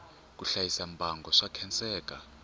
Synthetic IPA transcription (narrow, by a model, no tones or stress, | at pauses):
k̬ʼuɬajisambʱaŋɡʱɔʂakʰɛnt͡sʼɛːk̬ʼa